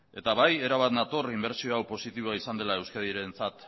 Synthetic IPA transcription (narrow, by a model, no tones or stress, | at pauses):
e̞t̪aβaje̞ɾaβ̞at̪nat̪o̞rimbe̞ɾt͡sio̞awpo̞sit̪iβoaisand̪e̞lae̞wskaðiɾe̞nt͡sat̪